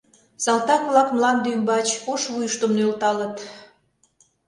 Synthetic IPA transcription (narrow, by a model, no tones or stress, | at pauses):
sɑlt̪ɑkβlɑkmlɑnd̪ymbɑt͡ɕoʃβujəʃt̪əmnølt̪ɑlət̪